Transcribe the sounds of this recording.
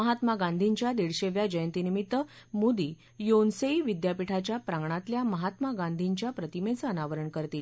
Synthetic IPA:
əɦat̪maɡãnd̪ʱiɲt͡ɕjad̪iɽɕeʋjad͡ʑəjənt̪inimit̪ːəmud̪i | jonseiʋid̪japiʈʰat͡ɕjapɾaŋɡɳat̪ljaməɦat̪maɡãnd̪ʱiɲt͡ɕjapɾət̪imet͡səːnaʋəɾəɳkəɾt̪iːl

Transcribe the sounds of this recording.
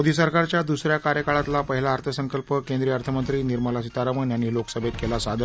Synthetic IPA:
od̪ʱisəɾkaɾt͡ɕjad̪usɾjakaɾjəkaɭat̪lapəɦilaːɾt̪ʰəsəŋkəlpəkend̪ɾiəəɾt̪ʰəmənt̪ɾiːniɾməlas̬it̪aɾamənjanːiːloksəbʱet̪̚kelasad̪ʱə

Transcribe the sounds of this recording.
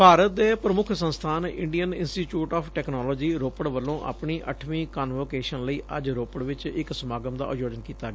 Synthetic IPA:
bʱaːɾət̪̚d̪eːpɾəmʊkʰsə̃nst̪ʰaːnɪɳɖijənɪnsʈiːt͡ʃuːʈaːpʰʈɛːknɔːlɔːd͡ʒiːɾoːpəɽʋəlːõːʔa̰ːpɳiːʔəʈʰmĩːkaːnʋoːkeːʃənləiːʔə̰d͡ʒɾoːpəɽʋɪt͡ʃɪksəmaːɡəmd̪a̰ːʔjoːd͡ʒənkiːt̪aːɡɛː

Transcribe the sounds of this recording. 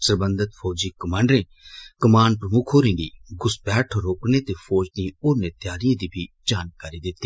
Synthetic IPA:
səɾbə̃nd̪ət̪pʰɔːd͡ʒiːkəmãːɳɖɾẽː | kəmaːnpɾəmʊkʰoːɾĩːɖiːɡʊsbɛːʈʰːɾoːkneːt̪eːpʰoːd͡ʒniːʊːneːt̪jaːɾijẽːd̪iːbʱiː | d͡ʒaːnkaːɾiːd̪ɪt̪ːiː

